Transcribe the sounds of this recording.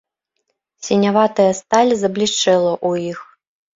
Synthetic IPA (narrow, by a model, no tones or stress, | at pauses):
sʲinʲavat̪ɐjɐst̪alʲizɐblʲiʂt͡ʂɛlˠɐʔuix